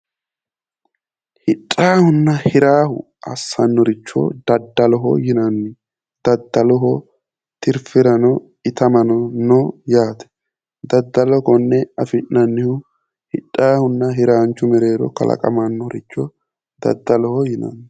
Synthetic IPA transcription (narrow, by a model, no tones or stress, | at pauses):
hɪᶑʼːaːhʊnːɐhɪɾaːhʊ̰ | ʔɐsːɐnːɔɾɪt͡ʃːɔ̰d̪̥ɐd̪ːɐlɔɦɔ̰jɪnɐnːɪ | d̪̥ɐd̪ːɐlɔɦɔ | t̪ɪɾfɪɾɐnɔ | ɪt̪ɐmɐnɔnɔjaːt̪ɛ̥ | d̪ɐd̪ːɐlɔkɔnːɛɐfɪnːɐnːɪhʊ | hɪtʼːaːhʊnːɐɦɪɾaːnt͡ʃːʊmɛɾe̞ːɾɔ̰kɐ̰lʔɐ̰kʼɐ̰mɐnːɔɾɪt͡ʃːɔ | d̪̥ɐ̰d̪ːɐlɔhɔjɪnɐ̰nːɪ